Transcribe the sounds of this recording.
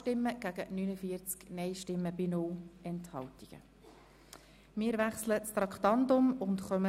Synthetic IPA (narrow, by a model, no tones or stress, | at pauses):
tɪmːəɡ̥æɡ̥ənynəfiəɾt͡sknɛɪʃtɪmːəb̥ɪnʊlɛnthɑltiɡ̥ə̰ | mɪːəɾʋæχslət͡st̪ɾɑkt̪ɑntʊmʊntχœmə